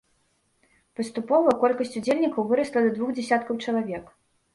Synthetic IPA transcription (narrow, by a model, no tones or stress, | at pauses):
pɐst̪upɔvɐkɔlʲkɐsʲt͡sʲud͡zʲelʲnʲikɐwvɨɾɐslˠɐd̪ɐd̪vuxd͡zʲɛsʲat̪̚kɐwt͡ʂɐlˠavʲɛk